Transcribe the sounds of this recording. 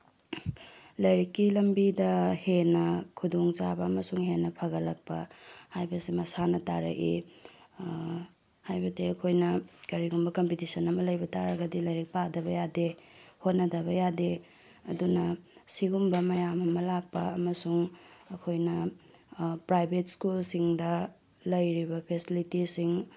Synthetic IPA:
lɐjɾikːilɐmbidɐhenɐkʰudoŋt͡ʃabɐɐmɐsuŋhenːɐpʰɐɡɐlɐk̚pɐ̰hajbɐsimɐsanɐta̰ɾɐ̰ʔḭ | hajbɐdeɐkʰojnɐkɐɾiɡumbɐkompitisɐnɐmɐlɐjbɐtaɾɐɡɐdilɐjɾik̚padɐβɐjadehot̚nɐdɐβɐjade | ɐdunɐsiɡumbɐmɐjamɐmɐlak̚pɐɐmɐsuŋɐkʰojnɐ | pɾajbʱetskulsiŋdɐ | lɐjɾibɐpʰesilitisiŋ

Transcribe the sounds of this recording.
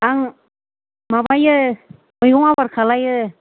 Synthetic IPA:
aŋ | mabajə | mɯjɡɔŋabaɾkʰalajə

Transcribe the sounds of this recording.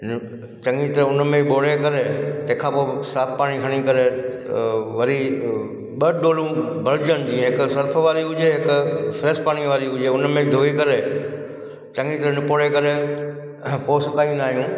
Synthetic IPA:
t͡ɕɐ̃ŋɡit̪ɐɾʊn̆mẽiɓoːɽekɐɾet̪ɐ̃ɦɪ̃kʰãːpoːsaːp̚ʰpaːɽ̃ikʰɐɽ̃ikɐɾe | ʋɐɾi | ɓɐɗoːlũbʱɐlɪd͡ʑənɪd͡ʑĩːɦɪksɐɾpʰəʋaːɾiɦʊd͡ʑeɦɪkʊfɾeːspaːɽ̃iʋaːɾiɦʊd͡ʑeʊnmẽid̪ʱoːikɐɾe | t͡ɕɐ̃ŋɡit̪ɐɾnɪpoːɽekɐɾe | poːsʊkaːĩũːnd̪aːɦijũː

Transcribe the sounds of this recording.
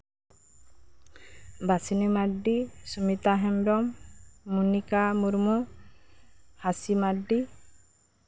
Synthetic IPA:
basinimaɖːisumit̪aɦɛmɾɔmːunikamuɾmu | hasimaɖːi

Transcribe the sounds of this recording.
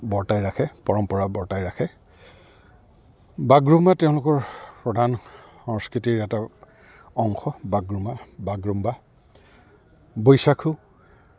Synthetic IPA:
bɔɹtajɹakʰɛpɔɹɔmpɔɹabɔɹtajɹakʰɛ | baɡɹumatɛʊ̃lʊkɔɹpɹɔdʱanxɔŋskɹitiɹɛta | ɔŋxɔbaɡɹumabaɡɹumba | bojsakʰʊ

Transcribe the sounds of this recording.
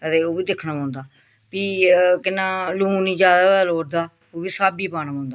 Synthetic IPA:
ət̪eːoːʋiːd̪ɪkʰnaːpãːʊ̃nd̪aː | piːkɪnãːlʊũːniːd͡ʒjaːd̪aːbɛloːɾd̪aː | oːbiːsaːbiːpaːnaːpãːnd̪aː

